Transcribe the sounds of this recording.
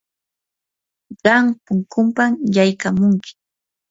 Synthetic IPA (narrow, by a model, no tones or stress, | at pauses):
ɢɑŋpʊŋkʊmpamjajkamʊŋkɪ̥